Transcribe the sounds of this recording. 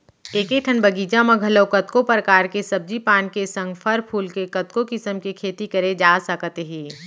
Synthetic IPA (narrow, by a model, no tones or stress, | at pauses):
eːkeʈʰənbɐɡiːd͡ʒamɐ̃ɡʱɐləwkɐt̪kopɾəkaːɾkesɐb̚d͡ʒipaːnkesɐ̃ŋɡpʰɐɾpʰuːlkekɐt̪kokɪsəmkikʰeːt̪ikɐɾed͡ʒaːsəkət̪eɦiː